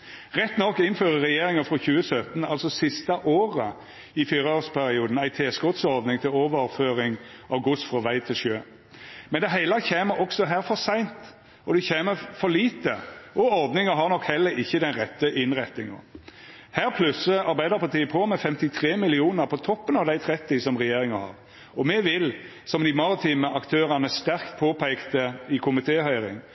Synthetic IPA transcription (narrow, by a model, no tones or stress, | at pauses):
ʁɛt̪ːnɔkːɪnføːʁəʁɛjeːɾɪŋəfɾɔçʉːəsœt̪n̩ɑlsɔsɪst̪ɑʔoːʁə | ɪfyːɾəoːspʰæɾɪuːd̪n̩æɪt̪ʰeːskɔt̪sɔɾd̪nɪŋt̪ʰɪloːʋəʁføːɾɪŋʔɑʋɡʊsfɾɔʋæɪt̪ʰɪlʃøː | mɛnd̪ɛɦæɪlɑçeːməɾʔɔksɔɦæːɾfɔɾsæɪnt̪ | ɔd̪ɛçeːməfɔɾliːt̪əɔɔɾd̪nɪŋəɦɑɾnɔkhɛlːəɾɪçːəd̪ɛnɾɛt̪ːəʔɪnɾɛt̪ːɪŋə̰ | hæːʁpʰlʉsəɑɾbæɪd̪əɾpʰɑt̪iːəpʰoːmɛfɛmt̪ɪt̪ʰʁeːmɪlɪuːnəɾpʰɔt̪ʰɔpːənɑʋd̪æɪt̪ʰɾɛt̪ːɪsɔmʁɛjeːɾɪŋəhɑ̰ːʁ | ɔmɛʋɪl | sɔmd̪ɪmɑʁɪt̪ʰiːməʔɑkt̪ʰøːɾɑnəst̪æɾkt̪̚pʰoːpʰæɪkt̪əɪkʰʊmɪt̪ʰeːhœʏɾɪ̰ŋ